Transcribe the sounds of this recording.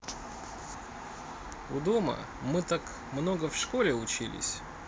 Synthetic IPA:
ʊd̪omə̰ | mɨt̪ak | mnoɡəfʂkolʲɪʊt͡ɕilʲɪ̰sʲ

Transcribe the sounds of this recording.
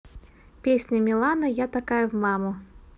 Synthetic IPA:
pʲesʲnʲəmʲɪlˠanəjat̪ɐkajəvmamʊ

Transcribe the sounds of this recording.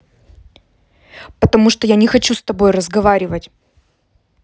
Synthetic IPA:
pət̪ɐmuʂt̪ojanʲɪxɐt͡ɕust̪ɐbo̞jrəzɡɐvaɾʲɪvətʲ

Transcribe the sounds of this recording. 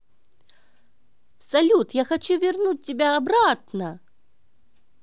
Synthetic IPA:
salʲut̪jaxat͡ɕuvʲɪrnut͡s̚ʲtʲɪbʲaːbɾat̪nɐ

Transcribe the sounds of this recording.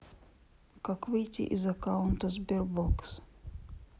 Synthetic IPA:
kakvɨjtʲɪ̰ʔɪ̰zɐkaʊnt̪əzbʲɛrboks

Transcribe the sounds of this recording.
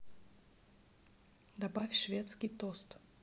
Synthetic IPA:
d̪abafʲʂvʲɛt̪skʲit̪ɔst̪

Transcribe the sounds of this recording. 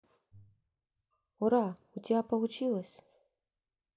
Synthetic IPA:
uɾaut͡sʲapɐvut͡ʃilˠɐsʲ

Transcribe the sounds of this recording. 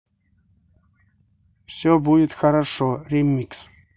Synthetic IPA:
fsɔbud̪it̪xaɾaʃɔɾɛmːiks

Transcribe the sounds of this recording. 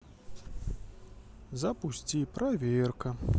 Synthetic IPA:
zɐpusʲt͡sʲipɾavʲerkɐ

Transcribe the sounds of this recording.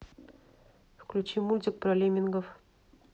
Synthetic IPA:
fklʲʉt͡ɕimulʲt̪ʲɪk̚prɐlʲemʲinɡəf

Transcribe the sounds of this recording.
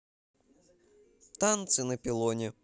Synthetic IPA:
t̪ant̪sʲɨnɛpʲilˠɔnʲi

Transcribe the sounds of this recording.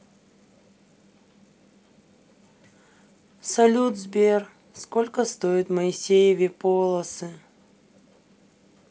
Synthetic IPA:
sɐlʲud̪zbʲer | skolʲkəst̪oɪt̪məɪsʲejɪvʲɪpolˠəsɨ

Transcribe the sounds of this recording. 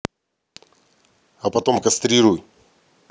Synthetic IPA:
ɐpɐt̪omkɐst̪ɾʲiɾuj

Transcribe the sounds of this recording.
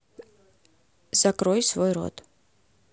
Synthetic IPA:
z̥akɾojsvojro̰t̪

